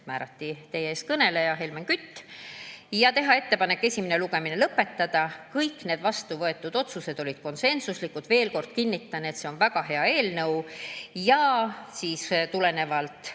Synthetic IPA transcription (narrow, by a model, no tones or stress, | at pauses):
mæːɾɑt̪ːit̪e̞jeeːst̪̚kɤne̞lejɑɦe̞lmenkyt̪ː | jɑt̪e̞ɦɑe̞t̪ːe̞pɑnekːe̞sʲimeneluɡ̥e̞minelɤpːe̞t̪ːɑd̪̥ɑkɤjkːˑne̞ːd̪̥vɑst̪uvɤe̞t̪ːˑud̪̥o̞t̪suse̞d̪̥o̞lʲid̪̥ko̞nse̞nsuslikːˑud̪ve̞ːlko̞rd̪̥̚kinʲːit̪ːˑɑnet̪se̞onvæɡ̥ɑɦe̞ɑe̞ːlnɤwjɑsiːst̪ule̞ne̞vɑlt̪ˑ